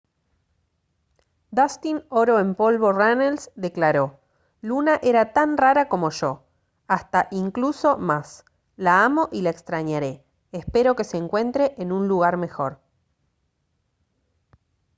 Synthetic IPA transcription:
d̪ast̪ino̞ɾo̞empo̞lβo̞ranelsd̪e̞klaɾo | lunaʔe̞ɾat̪anraɾako̞mo̞ʒo̞ | ast̪aʔiŋkluso̞mas | laamo̞ʔilaekst̪ɾaɲaɾe̞ː | spe̞ɾo̞ke̞seːŋkwe̞nt̪ɾe̞ʔenũnluɣaɾme̞xo̞ɾ

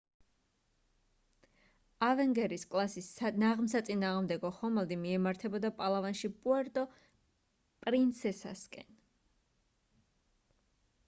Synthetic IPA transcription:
avɛŋɡɛɾiskʼlˠasisnaʁmsat̪sʼinaːʁmd̪ɛɡɔχɔmɛlˠd̪imiɛmaɾt̪ʰɛbɔd̪apʼalˠavanʃipʼuɛɾt̪ʼɔ | pʼɾint̪sʰɛsa̰skʼɛ̰n

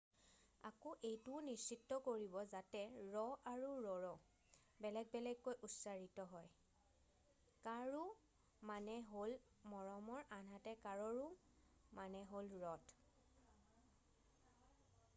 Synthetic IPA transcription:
akoʔejtʊnisitːɔkoɹibɔzatɛɹɔʔaɹuɹɔɹɔ | bɛlɛɡ̚bɛlɛɡːojʔutsaɹitɔɦɔj | kaɹu | manɛɦol | mɔɹɔmɔɹʔanɦatɛkaɹɔɹu | manɛɦolɹɔt

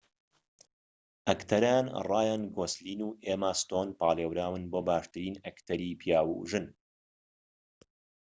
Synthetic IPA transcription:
ʔɐkt̪ʰɐɾanrˤɑːjaːnɡoːsliːnuːʔeːmaːst̪oːnpaːleːwɾaːwɨnboːbaːʃt̪ɨɾiːnɐkt̪ʰɐɾiːpʰijaːwṵːʒɨn

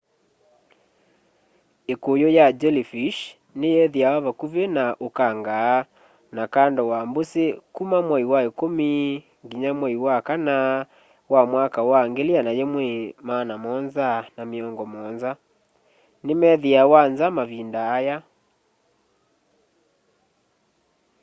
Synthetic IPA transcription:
ekojɔjad͡ʒɛlifiʃ | nejɛðiawaβakuβenaʔokaŋɡaː | nakandɔwambosekumamwaiwaekomi | ŋɡiɲamwɛiwakana | wamwakawaŋɡelianajɛmwɛmanamɔnzanameɔŋɡɔmɔnza | nemɛðiawanzamaβindaːja

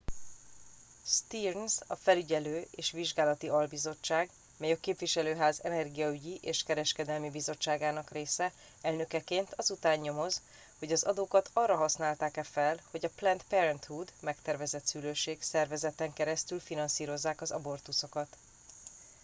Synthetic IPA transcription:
st̪irnsɒfɛlyɟɛløːeːʃʋiʒɡaːlɒt̪iɒlbizo̞t͡ʃːaːɡ | mɛjɒkeːpʋiʃɛløːɦaːzɛnɛrɡijɒyɟiʔeːʃkɛɾɛʃkɛd̪ɛlmibizo̞t͡ʃːaːɡaːnɒkreːsɛ | ɛlnø̞kɛkeːnt̪ʰɒzut̪aːɲɲo̞mo̞z | ho̞ɟɒzɒd̪oːkɒt̪ɒrːɒɦɒsnaːlt̪aːkɛfɛlho̞ɟɒplɛnt̪pɛɾɛnt̪huːd̪mɛkt̪ɛrvɛzɛt̪syløːʃeːksɛrvɛzɛt̪ɛŋkɛɾɛst̪ylfinɒnsiːɾo̞zːaːkɒzɒbo̞rt̪uso̞kɒt̪

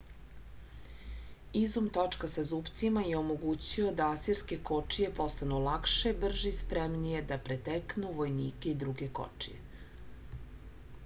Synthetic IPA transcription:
izumt̪o̞t͡ʂkasazupt̪simajeo̞mo̞ɡut͡ɕio̞d̪aasiɾske̞ko̞t͡ʂije̞po̞st̪anulˠakʃe̞br̩ʒispɾemnije̞d̪apɾet̪eknuʋo̞jnḭːke̞id̪ɾuɡe̞ko̞̰t͡ʂijḛ

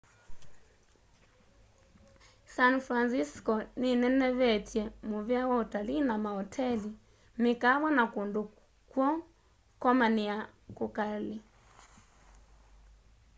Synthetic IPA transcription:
sanfɾansiskɔninɛnɛβɛtjɛmuβiawautalinamahɔtʰɛli | mikaβɔnakundu | kwɔ | kɔmaniakukali

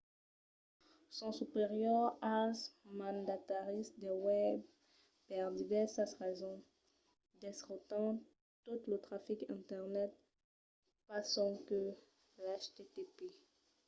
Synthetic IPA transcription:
sɔ̃sypeʁjœʁasmɑ̃nd̪at̪aʁist̪d̪ewɛb | pɛʁd̪ivɛsasʁɛzɔ̃ | d̪ɛsʁɔt̪ɑ̃ | t̪ut̪lət̪χafikɛ̰̃t̪ɛʁnɛt̪̚ | pasɔ̃kə | laʃt̪et̪epe

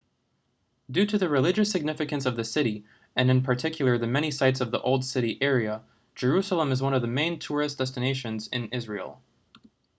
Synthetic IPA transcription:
dʉɾɨðɨɹɨlɪd͡ʒɨsɨɡ̚nɪfɨkɨ̃nsʌvðɨsɪɾi | ɨ̃nɨ̃npʰə˞tʰɪkʰjl̩ˠə˞ðɨmɛɾ̃ñisaɪtsʌvðiʔoʊlˠd̥sɪɾiʔɛɹiɨ̥ | d͡ʒə˞ʉsl̩ˠə̃mɨzwʌ̃nʌvðɨmẽɪ̃ntʰʊɹɨsd̥ɛstɨneɪʃɨ̃nzɪ̃nɪzɹil̩ˠ

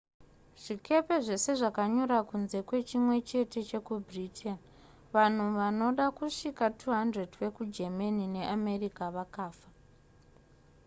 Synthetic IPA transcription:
ʐ̥ike̞pe̞ʐe̞se̞ʐakaɲoɾakunze̞kwe̞t͡ʃimwe̞t͡ʃe̞te̞t͡ʃe̞kubritʰen | ʋan̤uʋano̞ɗakuʂikatʰuɦandredʋe̞kud͡ʒe̞manine̞ʔame̞rikaʋakaːfa

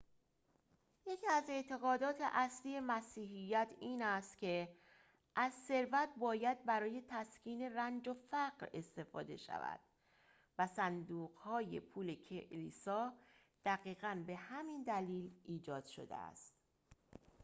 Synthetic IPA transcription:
je̞cʰiæze̞ʔt̪ʰe̞ɣɒːd̪ɒːt̪ʰe̞̰ʔæsliːje̞mæsiːɦijːæt̪ʰiːnæst̪cʰe̞ | ʔæzse̞ɾvæt̪̚ʰbɒːjæd̪̚bæɾɒːje̞t̪ʰæscʰiːne̞rænd͡ʒo̞fæɢɾe̞st̪e̞fɒ̰ːd̪e̞̰ʃæ̰væ̰d̪̥ | væsænd̪uːɣ̥hɒːje̞̰pʰuːle̞cʰeʔlḭːsɒː | d̪̥æɣiːɣænbe̞hæmind̪æliːlʔiːd͡ʒɒːd̪̥ʃo̞̰d̪ḛæ̰st̪

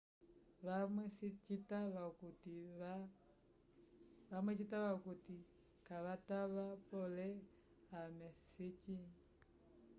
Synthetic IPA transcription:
βamesit͡ʃitaβakuti | βamwet͡ʃitaβakuti | kaβataβapɔlɛ | amɛsit͡ʃi

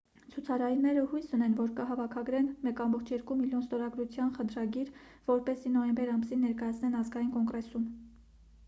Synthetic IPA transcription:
t͡sʰut͡sʰɑɾɑjnɛɾəhujsunɛnvɔɾkəɦɑvɑkʰɑɡɾɛnmɛkɑmbɔχt͡ʃʰjɛɾkumiljɔnst̪ɔɾɑɡɾut͡sʰjɑnχəd̪ɾɑɡiɾ | vɔɾpɛsinɔjɛmbɛɾɑmsinːɛɾkɑjɑt͡sʰnɛnɑzɡɑjinkɔŋɡɾɛsum

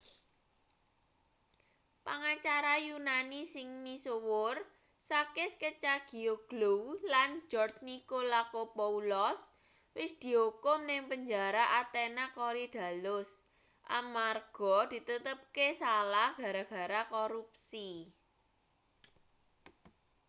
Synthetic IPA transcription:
paŋat͡ʃaɾajunanisɪŋnisuwʊr | sakɪskət͡ʃaɡ̥i̤oɡ̥lowland͡ʒɔrsnikolakopoulɔs | wɪsd̪̥i̤ɦokʊmnɪŋpəɲd͡ʒaɾaʔat̪enakoɾid̪̥a̤lʊs | ʔa̰marɡ̥ɔd̪̥i̤t̪ət̪əp̚kesalahɡ̥a̤ɾaɡ̥ä̤ɾakoɾupsi

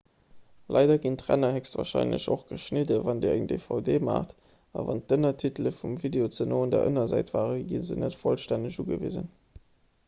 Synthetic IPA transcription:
lɑɪdɐɡintʁæ̰nɐhɛkstva̰ːʁʃɑɪnlə̰ɕoχɡ̥əʃnidəvɑndiɐæŋdefɑʊdeːma̰ːχt | ɑ̰vɑntənɐtʰitləfumvideot͡sənoːndɛ̰ɐʔənɐzæɪtv̥aːʁəɡinzənətfolʃtændəɕuːɡəvizə̰n

